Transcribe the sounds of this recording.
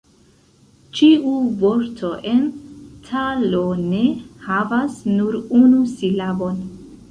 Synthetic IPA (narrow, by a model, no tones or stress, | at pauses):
t͡ʃiuvo̞ɾtʰo̞ʔe̞ntʰalone̞havasnuɾunusilabon